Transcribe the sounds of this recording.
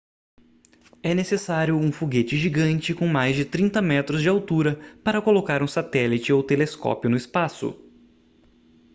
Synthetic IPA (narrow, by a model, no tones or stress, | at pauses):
ɛnesesaɾjʊũfoɡet͡ʃɪʒiɡɐ̃nt͡ʃɪkõw̃majzd͡ʒɪt̪ɾĩnt̪ɐmɛt̪ɾʊzd͡ʒɪawt̪uɾɐpaɾɐkolokaɾũsat̪ɛlɪt͡ʃɪowt̪eleskɔ̰pjʊnʊɪspasʊ̰